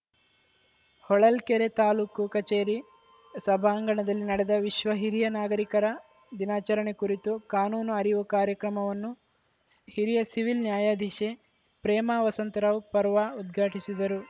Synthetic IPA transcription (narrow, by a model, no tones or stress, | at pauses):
hɔɭɐlkeɾet̪aːluːkukɐt͡ʃeːɾi | sɐbʱaːŋɡɐɳɐd̪ɐlːinɐɽɛd̪ɐʋiʃʋɐɦiɾijɐnaːɡɐɾikɐɾɐ | d̪inaːt͡ʃɐɾɐɳekuɾit̪ukaːnuːnuɐɾiʋukaːɾjɐkɾɐmɐʋɐnːu | hiɾijɐsiʋilnjaːjaːd̪ʱiʃe | pɾɛːmaːʋɐsɐnt̪ɐɾɐpɐɾʋaːud̪ɡʱaːʈisid̪ɐɾu